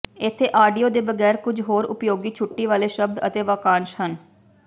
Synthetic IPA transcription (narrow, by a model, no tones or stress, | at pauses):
ɪt̪ʰːeːʔaːɖijoːd̪eːbəɡɛːɾkʊd͡ʒʱɦoːɾʊpjoːɡiːt͡ʃʰʊʈːiːʋaːleːʃəb̚d̪ə̰t̪eːʋaːkãːnʃhən